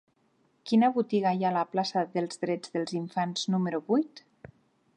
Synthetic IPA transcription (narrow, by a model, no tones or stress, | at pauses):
kinaβut̪iɣajalaplasaðelˠzðɾɛd͡zðelˠziɱfanz̥numeɾuβujt̪